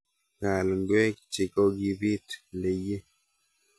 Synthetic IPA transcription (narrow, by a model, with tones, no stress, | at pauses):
ŋa˨lŋɡwɛ˦kt͡ʃi˨kɔ˦ɡi˨bi˦tle˨je˦